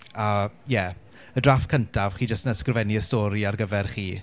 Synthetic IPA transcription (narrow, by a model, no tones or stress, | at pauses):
ajɛ | ədrafkʰəntʰavχiːd͡ʒəstnəskrvɛniəstɔːɾiarɡəvɛrχiː